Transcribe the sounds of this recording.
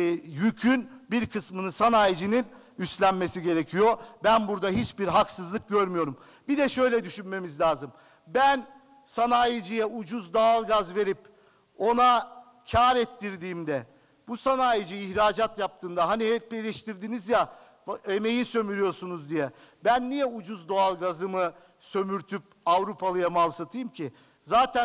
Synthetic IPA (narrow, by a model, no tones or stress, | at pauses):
jycʰynbiɾkʰɯsmɯnɯsanaːjid͡ʒinin | yst̪lʲænme̞siɟe̞ɾecʰijo̞bænbuɾd̪aɦit͡ʃbiɾɦaksɯzlˠɯk̚ɟøɾmyjo̞ɾum | bid̪ɛʃø̞jlʲɛd̪yʃynme̞mizlʲaːzɯm | bæn | sanaːjid͡ʒijɛud͡ʒuzd̪alˠɡazve̞ɾip | o̞na | cʰaːɾɛt̪ːiɾd̪iːmd̪ɛ | busanaːjid͡ʒɯːçɾaːd͡ʒat̪jap̚t̪ʰɯːnd̪aɦanihɛpejlʲɛʃt̪iɾd̪inizja | eme̞jisø̞myɾyjo̞ɾsunuzd̪ijɛ | bænːijɛud͡ʒuzd̪o̞alˠɡazɯmɯ | sø̞myɾt̪ʰyp̚ | avɾupʰalˠɯjamalˠsat̪ʰɯjɯmcʰi | zaːt̪ʰæ